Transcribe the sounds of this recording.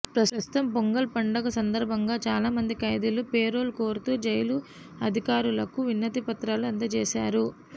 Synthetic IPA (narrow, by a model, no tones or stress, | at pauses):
pɾɐsɐst̪u̥t̪ɐmpoŋɡɐlpɐɳɖɐɡɐsɐnd̪ɐɾbʱɐŋɡaːt͡ʃaːlaːmɐnd̪ikɐjd̪ilupeːɾo̞ːlukoːɾut̪uːd͡ʒɐjɐlu | ɐd̪ʱikaːɾulɐkuʋinːɐt̪ipɐt̪ɾaːluɐnd̪ɐt͡ʃɛːsaːɾu